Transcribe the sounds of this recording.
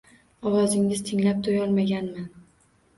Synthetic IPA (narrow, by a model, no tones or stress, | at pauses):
ɒwɒzɪŋɪz̥t̪ʰɪŋlap̚t̪ʰʊjɒlˠmaɡʲanman